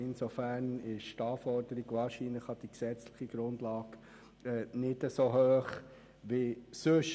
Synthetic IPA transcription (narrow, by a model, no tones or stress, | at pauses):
ɪnsofæːɾnɪʃtɑːfɔɾd̥əɾiɡʋɑːɾʃiːnləχɑd̥iksɛt͡sləχiɡɾʊndlɑːɡ | ɛnɪdəsoɦøːχ | ʋisøʃ